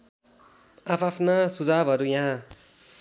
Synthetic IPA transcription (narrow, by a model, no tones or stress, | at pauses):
apʰapʰnasud͡zabʱɦʌɾujãɦã